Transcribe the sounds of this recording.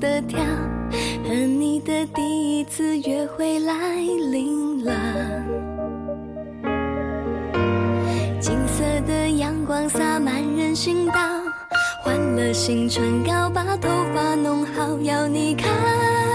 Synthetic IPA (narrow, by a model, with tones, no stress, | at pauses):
t̪ə˧t̪ʰjɑ˥ʊə˧˥ni˨˩d̪ə˨˩t̪i˥˧i˥t͡sʰɹ̩˥˧ɥɛ˧˥xwe˥˩ɪla˧˥ɪli˧˥ŋlə˧ | t͡ɕi˧˥ŋsə˥˧d̪ə˨jɑ˧˥ŋkwɑ˧˥˩ŋsa˥˧ma˧˥nɻə˧˥nɕi˥ŋt̪ɑ˥˧ʊ | xwa˧˥nlə˩ɕi˧˥ŋʈ͡ʂʰwə˧˥nkɑ˥ʊpɑ˧˥t̪ʰo˧˥ʊfa˧˥nʊ˧˥ŋxɑ˧˥ʊjɑ˧˩ʊni˨˩kʰa˥˧